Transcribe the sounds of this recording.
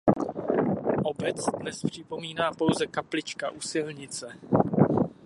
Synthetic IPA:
ʔo̞bɛt͡sdnɛspr̝̥ɪpo̞miːnaːpo̞wzɛkaplɪt͡ʃkaʔusɪlɲɪt͡sɛ

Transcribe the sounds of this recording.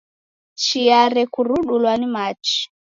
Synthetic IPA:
t͡ʃiaɾɛkuɾuɗulwanimat͡ʃi̥

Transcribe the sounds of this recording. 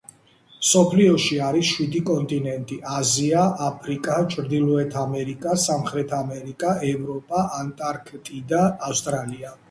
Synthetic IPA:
msɔpʰliɔʃiaɾisʃwid̪ikʼɔnt̪ʼinɛnt̪ʼiʔaziaapʰɾikʼat͡ʃʼʰɾd̪ilˠɔɛt̪ʰamɛɾikʼasamχɾɛt̪ʰamɛɾikʼaɛvɾɔpʼaʔant̪ʼaɾkʰt̪ʼid̪aːfst̪ʼɾalia

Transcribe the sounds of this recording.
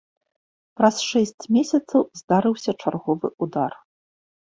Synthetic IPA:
pɾɐsʂɛsʲt͡sʲmʲesʲɐt̪sɐwzd̪aɾɨwsʲɐt͡ʂarɣɔvɨ̰ʔud̪ar

